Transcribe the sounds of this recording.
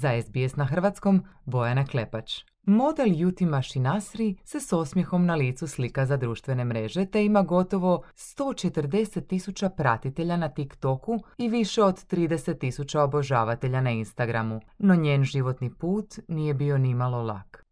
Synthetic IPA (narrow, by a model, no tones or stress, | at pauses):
zaezbiesnaxr̩ʋat̪sko̞mbo̞janakle̞pat͡ʃ | mo̞d̪eljut̪imaʃinasɾise̞so̞smje̞xo̞mnaliːt̪suslikazad̪ɾuːʃt̪ʋe̞ne̞mɾe̞ʒe̞t̪e̞imaɡo̞t̪o̞ʋo̞st̪o̞ːt͡ʃe̞t̪əɾd̪e̞se̞t̪ːisut͡ɕapɾa̰t̪it̪e̞ʎanat̪ikt̪o̞kuiʋiʃe̞o̞d̪t̪ːɾiːd̪e̞se̞t̪ːisut͡ɕaobo̞ʒaːʋat̪e̞ʎanainst̪aɡɾamuno̞ɲe̞ːnʒiʋo̞t̪nipuːt̪nije̞bio̞nimalˠo̞lˠa̰k